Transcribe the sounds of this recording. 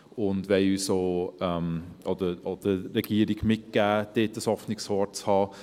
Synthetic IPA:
ʊndʋɛɪyːsoːɛmʔod̥̪əod̥əɾɛɡ̥iːəɾɪɡ̥mɪt̚ɡ̥æːd̥eːtəshɔfnɪkshɔːt͡shɑː

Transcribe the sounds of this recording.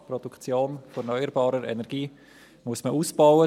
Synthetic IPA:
pɾɔd̥ukt͡sjoːnfonœʏəɾbɑːɾəɾɛ̰nɛɾɡ̥iː | muəsməʔuːsb̥awə

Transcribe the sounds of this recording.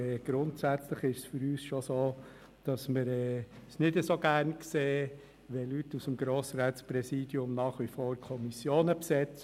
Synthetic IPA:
ɛːɡ̥ɾʊntsæt͡sləχɪʃsfʏɾyːsʃosoː | d̥ɑsməɾɛːsnɪdəsoɡæːɾnkseː | ʋɛlytːusəmɡɾoːsɾæːtspɾɛsiːd̥jʊmnɑːχʋifoːɾkʰɔmisjoːnəpsɛt͡s

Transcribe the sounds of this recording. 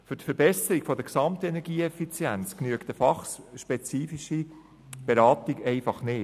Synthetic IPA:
fʏɾtfəɾbɛsəɾiɡ̥fɔd̪əksɑmtɛnɛɾɡiːɛfit͡sjɛnt͡sknyəkt̪əfɑχsʃpɛt͡siːfiʃi | b̥eɾɑːtiɡɛɪfɑχneː

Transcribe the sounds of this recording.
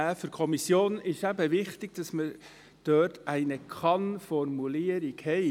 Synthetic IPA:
æfʏɾkʰɔmisjoːnɪʃæbəʋɪχtɪɡ̥̚d̥ɑsmə | d̥œːtʰæɪnəkʰɑnfɔrmuliəɾɪɡhɛɪ

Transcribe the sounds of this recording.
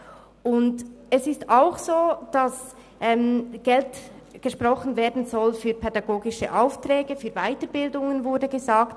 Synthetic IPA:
ʊndɛsɪstaʊxsoːd̥ɑs | ʔɛːmɡ̥ɛlt | ɡ̥əʃpʁɔχən̩vɛːɐdn̩zɔlfyːpʰɛdɑɡoːɡɪʃə̰ʔaʊftrɛːɡəfyːvaɪtəɾbɪldʊŋənvʊɐdəɡəzaːkt

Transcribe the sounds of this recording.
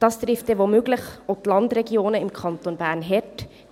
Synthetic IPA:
d̥ɑst̪ɾɪft̚d̥ɛʋomøɡləχot̪lɑndɾɛɡjoːnəɪmkʰχɑnt̪onbæːɾnɦɛt

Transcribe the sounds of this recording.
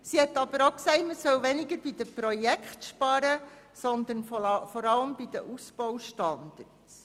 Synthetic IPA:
sihɛtːɑb̥əɾoksɛɪtməsœwʋɛnɪɡəɾb̥id̪əpɾɔjɛkχtʃpɑɾə | sɔnd̪ənfɔɾɑləmb̥id̥̪əʔusb̥ɔwʃtɑnd̪ərts

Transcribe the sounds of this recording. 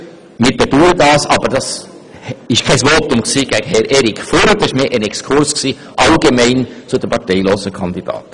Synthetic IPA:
mɪːɾb̥eduːɾədɑːsɑ̰bəd̥ɑs | ɪʃkʰɛɪsʋoːtʊmksiːɡ̥æɡəhɛɾʔɛɾɪkfoɾəd̪ɑsɪʃmeːʔənɛkskʰʊɾsksiː | ʔɑlɡemɛɪnt͡sʊd̥̪əmpʰɑɾtɛɪloːsəkʰɑnd̪id̥ɑ̰ːt

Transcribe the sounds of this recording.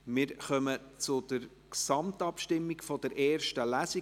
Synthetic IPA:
mɪɾχœmət͡sʊd̥əɾ | ksɑmtɑpʃtɪmːikfɔd̥ɛɾʔɛːɾʃtəlæsi

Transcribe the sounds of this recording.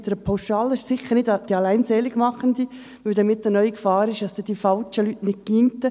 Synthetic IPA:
d̥əɾəpʰaʊʃɑːləʃsɪχəɾnɪdd̥iɑlæɪnseːlɪɡmɑχəndi | ʋɵldɑmɪt̚dənœʏikfɑːɾɪʃdɑsd̥̪ɛd̥ifɑlt͡ʃəlytnɪk̚kiːntə

